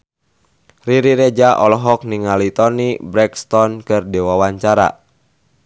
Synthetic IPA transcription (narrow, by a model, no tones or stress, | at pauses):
riɾiɾed͡ʒaʔɔlɔɦɔk̚niŋalit̪ɔnibɾɛkst̪ɔnkɨrdɛwawaɲt͡ʃaɾa̰